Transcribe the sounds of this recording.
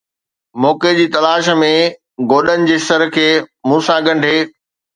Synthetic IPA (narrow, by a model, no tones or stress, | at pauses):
mɔːked͡ʑiːt̪ɐlaːʃmẽ | ɡoːɗənɪ̆d͡ʑeːsɐɾkʰeːmũːsãɡɐ̃ɳɖʱeː